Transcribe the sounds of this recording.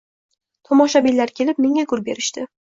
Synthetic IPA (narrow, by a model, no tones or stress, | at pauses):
t̪ʰɒmɒʃabilːaɾkʲʰe̞lɪp̚meŋʲaɡʰʊɾbe̞ɾɪʃt̪ɪ